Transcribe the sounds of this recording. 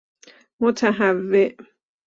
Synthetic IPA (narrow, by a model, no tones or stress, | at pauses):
mot̪ʰæɦavːeʔ